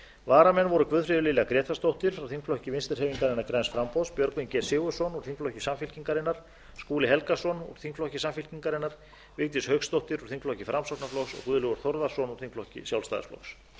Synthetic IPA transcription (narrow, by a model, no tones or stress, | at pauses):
vaːɾamɛnːvɔɾʏkvʏðfɾɪðʏlɪlɛːɣakɾɛːt̪ast̪owht̪ɪɾ̥fɾawθiŋkflɔhcɪvɪnst̪ɪɾhɛːviŋkaɾɪnːaɾkɾɛjnsfɾampɔwspjœɾkvincɛːsɪːɣʏsɔnɔɾ̥θiŋkflɔhcɪsamfilciŋkaɾɪnaɾ̥ | skuːlɪɦɛlkasɔnɔ̰ɾ̥θiŋkflɔhcɪsamfilciŋkaɾɪnːaɾ̥ | vɪkt̪ɪshœkst̪owht̪ɪɾɔɾ̥θiŋkflɔhcɪfɾʔamsɔwk̪naflɔxsɔ̰ɣkvʏðʏlʏɣɔɾ̥θɔɾðḁsɔnɔ̥θiŋkflɔhcɪ̰sjawlst̪a̰ːa̰flɔ̰xs